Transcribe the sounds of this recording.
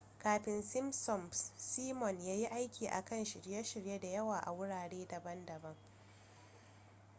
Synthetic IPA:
kaː˨ɸɪ˨nsɪ˦msɔ˨mssiː˦mɔ˨njaː˦ji˦ʔa˦jkʲiː˨ʔa̰˨kɐ˦˨nʃɪ˨ɽje˦ʃɪ˨ɽje˦da˨jɐ˦waː˨ʔa̰˨wʊ˦ɽaː˨ɽeː˦dɐ˨bɐ˦ndɐ˨bɐ˦ŋ

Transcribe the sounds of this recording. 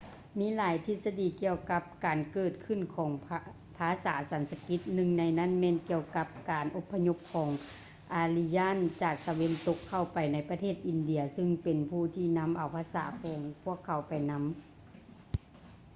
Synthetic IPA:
miː˧˥˨laː˨˦jt̪ʰi˧˥t̪̚sa˧diː˨ki˧əwka˧˦˥p̚kaː˨˩nkɤː˧˩t̪̚kʰɯ˧˩˨nkʰɔː˩˦ŋ | pʰaː˧˥saː˩˦sa˨˦nsa˧ki˧˦t̪̚nɯ˧˨ŋna˧˥jna˧˥˨nmɛː˧˨nki˧əwka˧˦˥p̚kaː˨˩nʔo˧˦pʰːa˧ɲo˧˥p̚kʰɔː˨˦ŋ | ʔaː˨˧li˧jaː˥˨nt͡ɕaː˨˩k̚t̪a˨˧we˧˥nt̪o˧˥kʰːa˧˩wpa˨˩jna˧˥jpa˧t̪ʰeː˥˩t̪̚ʔi˨˩ndi˧˩ɐsɯ˧ŋpe˨˩npʰuː˧˩t̪ʰiː˧˩na˧˥mʔa˨˩wpʰaː˧sa̰ː˩˦kʰɔː˨˦ŋpʰu˥˩əkʰːa˨˦wpa˨jna˧˥m

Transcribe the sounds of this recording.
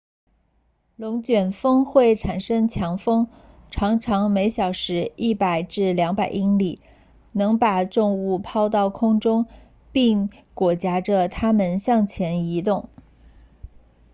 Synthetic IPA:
lʊ˧˥ŋt͡ɕɥɛ˨˩nfɤ˥ŋxwe˥˩ɪʈ͡ʂʰa˨˩nʂɤ˥ŋt͡ɕʰjɑ˧˥ŋfɤ˥ŋ | ʈ͡ʂʰɑ˧˥ŋʈ͡ʂʰɑ˧˥ŋme˧˥ɪɕjɑ˨˩ʊʂɻ̩˧˥i˥˩pa˨˩ɪʈ͡ʂɻ̩˥˩ljɑ˧˥ŋpa˨˩ɪʔi˥ŋli˨˩˦ | nɤ˧˥ŋpa˨˩ʈ͡ʂʊ˥˧ŋu˥˩pʰɑ˥ʊt̪ɑ˥˩ʊkʰʊ˥ŋʈ͡ʂʊ˥ŋ | pi˥˩ŋ | kwɔ˨˩t͡ɕja˧˥ʈ͡ʂə˥˧t̪ʰa˥mə˨nɕjɑ˥˩ŋt͡ɕʰjɛ˧˥ni˧˥t̪ʊ˥˩ŋ

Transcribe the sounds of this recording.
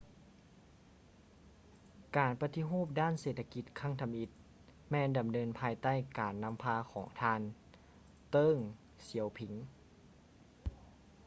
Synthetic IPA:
kaː˨˩npa˧t̪i˧˥ɦoː˥˩p̚daː˥˨nseː˧˩t̪ʰːa˧ki˧˦t̪̚kʰa˧˥˩ŋt̪ʰa˧mʔi˧˦t̪̚ | mɛː˧nda˨˩mnɤː˧npʰaː˧jt̪a˥˩˨jkaː˨˩nːa˧˥mpʰaː˧kʰɔː˩˦ŋt̪ʰaː˧˥˨n | t̪ɤː˧˥˨ŋ | si˨˦əwpʰi˨˩˦ŋ

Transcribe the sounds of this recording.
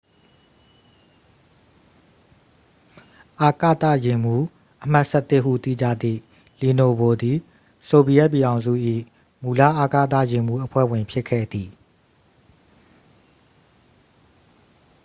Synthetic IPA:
ʔa˨kä̰˦˨t̪ä̰˦˨jɪ̃˨m̥u˦ | ʔəm̥a˦ʔsɛ˦t̪ɪ˦ʔɦṵ˦˨t̪ḭ˦˨d͡ʑä̰˦˨d̪ðḭ˦˨ | li˨no˨bo˨d̪i˨ | so˨bi˨ɛ˦ʔp̬ːji˨ɾã˨ʊ̃zṵ˦˨ʔḭ˦˨ | mu˨la̰˦˨ʔa˨kä̰˦˨t̪a̰˦˨jɪ̃˨mu˦ʔəpʰwɛ̰˦˨wɪ̃˨mpʰjɪ˦kʰɛ̰˦˨d̪i˨

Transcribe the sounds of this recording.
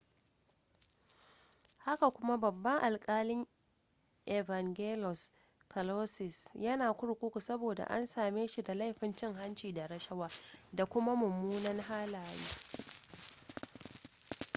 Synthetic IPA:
ha˦ka˨kʷʊ˦ma˦bɐ˨bːɐ˦ŋʔa˨lkʼaː˦lɪ˦ŋ | ʔe˨va˨ŋɡeː˦lɔ˨s | kɐ˨lo˦sɪ˨sjɐ˦naː˨kʷʊ˦ɽkʷʊ˦kʷu˨sɐ˦boː˨da̰˨ʔa̰˦nsaː˨meː˦ʃi˨da˨la˦jɸɪ˨nt͡ʃɪ˦ŋɦa˦nt͡ʃiː˨da˨ɾɐ˦ʃɐ˦waː˦da˨kʷʊ˦ma˦mʊ˨mːuː˦nɐ˦nɦaː˦laː˨jiː˦

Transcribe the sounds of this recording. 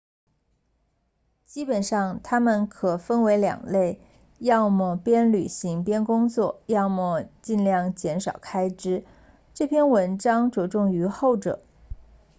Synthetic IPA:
t͡ɕi˥pə˨˩nʂɑ˥˩ŋt̪ʰa˥mə˨nkʰɤ˨˩fə˥nwe˧˥ɪljɑ̰˨˩ŋle˥˧ɪ | jɑ˥˧ʊmɔ˥˩pjɛ˥nly˨˩ɕi˧˥ŋpjɛ˥nkʊ˥ŋt͡swɔ˥˩jɑ˥˧ʊmɔ˥˧t͡ɕi˥˧nljɑ˥˩ŋt͡ɕjɛ˧˥nʂɑ˨˩ʊkʰa˥ɪʈ͡ʂɻ̩˥ | ʈ͡ʂɤ˥˩pʰjɛ˥˧nwə˧˥nʈ͡ʂɑ˥ŋʈ͡ʂwɔ˨˩ʈ͡ʂʊ˥˩ŋy˧˥xo˥˩ʊʈ͡ʂɤ̰˨˩˦

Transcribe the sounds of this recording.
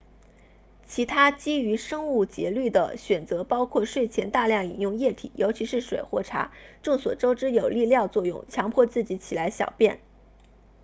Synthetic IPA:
t͡ɕʰi˧˥t̪ʰa˥t͡ɕi˥y˧˥ʂɤ˥ŋu˥˩t͡ɕjɛ˧˥ly˥˩d̪ə̰˩ɕɥɛ˨˩nt͡sɤ˧˥pɑ˥ʊkʰwɔ˥˧ʂwe˥˩ɪt͡ɕʰjɛ˧˥nt̪a˥˧ljɑ˥˩ŋḭ˨˩njʊ˥˧ŋjɛ˥˩t̪ʰḭ˨˩˦jʔo˧˥ʊt͡ɕʰi˧˥ʂɻ̩˥˩ʂwe˨˩ɪxwɔ˥˩ʈ͡ʂʰa̰˧˥ʈ͡ʂɤ˥˩ŋswɔ̰˨˩ʈ͡ʂo˥ʊʈ͡ʂɻ̩˥jo˨˩ʊli˥˧ljɑ˥˧ʊt͡swɔ˥˧jʊ̰˥˩ŋt͡ɕʰjɑ˧˥ŋpʰwɔ˥˧t͡sɹ̩˥˩t͡ɕi˧˥t͡ɕʰi˨˩la˧˥ɪɕjɑ̰˨˩ʊpjɛ˥˩n

